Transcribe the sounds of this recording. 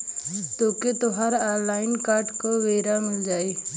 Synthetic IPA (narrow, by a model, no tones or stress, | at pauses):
t̪oːket̪ʊɦaːɾaːɾlaːɪnkaːɾɖkoːʋeːɾamɪld͡ʒaːiː